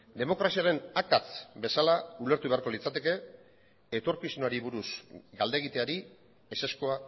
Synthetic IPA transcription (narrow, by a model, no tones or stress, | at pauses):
d̪e̞mo̞kɾasiaɾe̞nakat͡sbe̞salaule̞ɾt̪uβe̞aɾko̞lit͡sat̪e̞ke̞ | et̪o̞ɾkiznuaɾiβuɾusɡald̪e̞ɣit̪e̞aɾi | ese̞sko̞a